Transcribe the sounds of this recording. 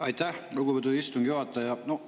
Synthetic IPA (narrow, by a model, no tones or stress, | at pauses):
ɑjt̪æhluɡubet̪uist̪uŋɡ̥juhɑt̪ˑːɑjɑno